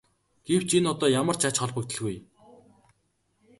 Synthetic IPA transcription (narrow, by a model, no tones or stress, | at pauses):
ɡ̥ew̥t͡ɕinɔt̪ɔːjamə̆r̥t͡ɕat͡ɕχɔɮpə̆kt̪ə̆ɮɣuj